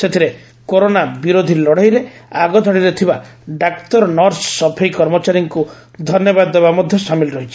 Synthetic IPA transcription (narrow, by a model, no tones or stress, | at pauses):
set̪ʰiɾe | koɾonabiɾod̪ʱilɔɽ̤ajɾeaɡɔd̪ʱɔɽiɾet̪ʰibaɖakt̪ɔɾɔnɔɾsːɔpʰejkɔɾmɔt͡ʃaɾjiŋku | d̪ʱɔnjɔbad̪ːebamɔd̪ʱjɔsamilɾɔɦit͡ʃʰi̥